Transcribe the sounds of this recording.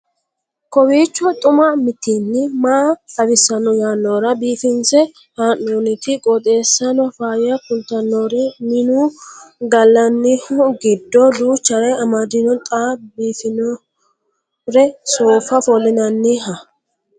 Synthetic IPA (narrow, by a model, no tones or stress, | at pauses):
kɔwiːt͡ʃːɔt̪ʼʊmɐmɪt̪ːinːɪmaːtɐbɪsːɐnːɔjaːnːoːɾɐbiːfɪnsɛ | haːnːonɪt̪ɪkʼɔt̪ʼe̞ːsːɐnɔfaːjɐkʊlt̪ɐnːoɾɛmɪnuːɡɐlːɐnːɪhʊɡɪd̪ːɔduːt͡ʃːɐɾɛɐmɐd̪ɪnɔnt̪ʼaːbiːfɪnɔ | ɾɛsoːfɐfɔlːɪnɐnːɪɦɐ